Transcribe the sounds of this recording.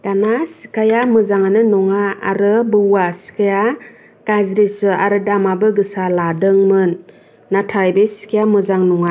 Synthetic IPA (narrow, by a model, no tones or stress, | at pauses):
d̥anasi̥kajamɯzaŋanɯnɔŋaa̰ɾɯbɯwasi̥kʰaja | ɡ̥azɾisɯaɾɯdamabɯɡɯsaladɯŋmɯnː | atʰajbesi̥kʰijamɯzaŋnɔŋa